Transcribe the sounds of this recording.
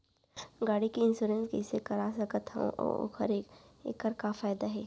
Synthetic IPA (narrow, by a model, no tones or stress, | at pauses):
ɡaːɽikiɪnsuːɾẽnskisekɐɾasɐkət̪ɦɛ̰̃ʔɔ̰o̰kə̰ɾeḛkːəɾkafaːjɪd̪aɦɛː